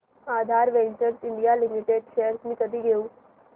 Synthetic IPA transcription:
ad̪ʱaɾʋẽnt͡ɕəɾsiɳɖijalimiʈeɖɕejəɾsmiːk̪əd̪ʱiːɡʱeũː

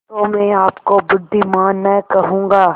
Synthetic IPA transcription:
t̪omɛ̃ːaːpkobʊɖd̪imaːnːɛkɐɦũːŋɡaː

